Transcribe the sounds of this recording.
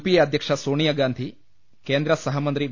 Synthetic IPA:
pijɐɐd̪ʱjɐkʂɐsoːɳijɐɡaːnd̪ʱi | keːnd̪ɾɐsɐɦɐmɐnt̪ɾiʋ

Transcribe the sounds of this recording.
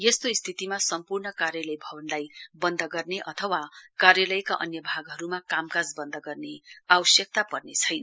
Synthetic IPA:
jest̪oist̪ʰit̪imasʌmpurnʌkarjalʌjbʱʌbʌnlajbʌnd̪ʱʌɡʌrneʔʌt̪ʰʌwakarjalʌjkaʔʌ̰njʌbʱaɡɦʌɾumakamkad͡zbʌnd̪ʱʌɡʌrneawʌsjʌk̚t̪apʌrnet͡sʰʌjnʌ

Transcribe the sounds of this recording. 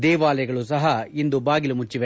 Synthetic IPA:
d̪ɛːʋaːlɐjɐɡɐɭus̬ɐɦɐind̪ubaːɡilumut͡ʃːiʋe

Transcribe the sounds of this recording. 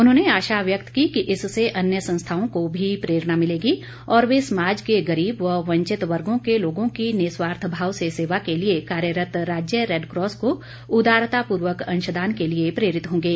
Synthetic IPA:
ʊnɦõːneaːʃaʋjək̚t̪kikiʔɪsseʔɐnjəsɐ̃nst̪ʰaːõkobʱipɾeːɾnamɪleːɡi | ɔːɾʋesɐmaːd͡ʒkeɡɐɾiːbʋəɦʋɐ̃ɲt͡ʃɪt̪ʋɐɾɡõkeloːɡõkineːswaːɾt̪ʰbʱaːʋseseːʋakeliekaːɾjəɾət̪ɾaːd͡ʒjəɾeːɖkɾɔːsko | ʊd̪aːɾt̪apuːɾʋəkɐ̃nʃəd̪aːnkeliepɾeːɾɪt̪ɦõːŋɡeː

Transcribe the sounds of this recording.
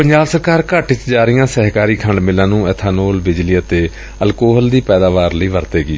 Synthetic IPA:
pəɲd͡ʒaːbsəɾkaːɾkaʈɪt͡ʃd͡ʒaːɾɪjãːsɛɦkaːɾiːkʰəɳɖmɪlãːnũːɛːt̪ʰaːnoːlbɪd͡ʒliːət̪eː | əlkoːɦəld̪iːpɛːd̪aːʋaːɾləiːʋəɾt̪eːɡiː

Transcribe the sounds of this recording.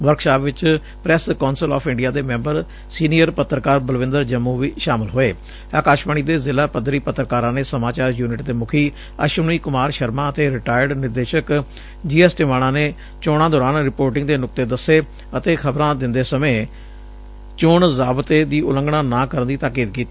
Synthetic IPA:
ʋəɾkʰʃaːpʋɪt͡ʃ | pɾɛːskɔːnsəlɔ̰ːpʰɪɳɖijaːd̪eːmɛ̃ːmbəɾ | siːnijəɾpət̪ːɾəkaːɾbəlʋɪ̃nd̪əɾd͡ʒəmːuːʋiːʃaːmɪlɦoːeː | aːkaːʃbaːɳ̃iːd̪eːzɪlaːpəd̪ɾiːpət̪ːɾəkaːɾãːneːsəmaːt͡ʃaːɾjuːnɪʈd̪eːmʊkʰiː | ə̰ʃʊniːkʊmaːɾʃəɾmãːət̪eːɾɪʈaːjəɾɖnɪɾd̪eːʃək | d͡ʒiːɛːsʈiːʋaːɽ̃ãːneː | t͡ʃoːɽ̃ãːd̪ɔːɾaːnɾɪpoːɾʈ̬ɪ̃ŋɡd̪eːnʊk̚t̪eːd̪əsːeː | ət̪eːkʰəbɾãːd̪ɪnd̪eːsəmẽː | t͡ʃʊɳzaːbt̪eːd̪iːʔʊlə̃ŋɡɽaːnãːkəɾənd̪iːt̪aːkiːd̪kiːt̪iː

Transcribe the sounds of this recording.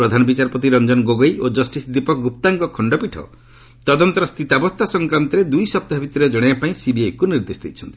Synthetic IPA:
pɾɔd̪ʱanɔbit͡ʃaɾpɔt̪̬iɾɔnd͡ʒɔnɡoɡɔjod͡ʒɔsʈisd̪ipɔkʰɔɡup̚t̪aŋkɔkʰɔɳɖɔpiʈʰɔ̰ | t̪ɔd̪ɔnt̪ɔɾɔst̪ʰit̪abɔst̪ʰasɔŋkɾant̪ɔɾed̪ujsɔp̚t̪abʱit̪iɾɔd͡ʒɔɽ̃eapaĩsibiajkuniɾd̪esd̪ejt͡ʃʰɔnt̪i̥

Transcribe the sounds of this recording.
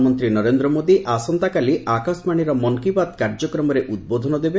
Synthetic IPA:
mɔnt̪ɾinɔɾend̪ɾɔmod̪iʔasɔnt̪akaliʔakɔsmaɽ̃iɾɔmɔŋkibat̪kaɾd͡ʒɔkɾɔmɔɾeʔud̪̚bod̪ʱɔnɔd̪ebe

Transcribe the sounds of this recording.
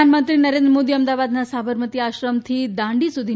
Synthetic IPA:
anmənt̪ɾinəɾend̪ɾəmod̪iəmd̪aʋad̪nasabəɾmət̪iaɕɾəmt̪ʰid̪ãɳɖisud̪ʱi

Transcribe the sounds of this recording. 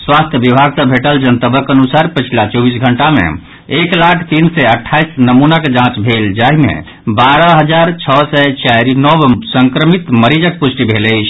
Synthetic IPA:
swast̪ʰjəʋibʱaɡsəbʱeʈəld͡ʒənt̪əbʱəkənusaɾpət͡ʃʰilat͡ʃɔbisɡʱəɳʈamḛ̃ | eklakʰt̪iːnsɛəʈʰːaisnəmunaked͡ʒãt͡ʃbʱeld͡ʒaɦimḛ̃ | baɾəɦəd͡ʒaɾt͡ʃʰɔsɛt͡ʃaɾinɔbsəŋkɾəmit̪məɾid͡ʒək̚pusʈibʱelət͡ʃʰ

